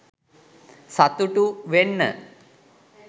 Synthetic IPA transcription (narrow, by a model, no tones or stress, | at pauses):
sat̪uʈuʋenːə̰